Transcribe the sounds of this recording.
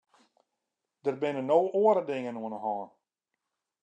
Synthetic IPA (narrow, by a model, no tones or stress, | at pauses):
d̥ərbɪnənoːʔoəɾədɪŋənuənəɦɔːn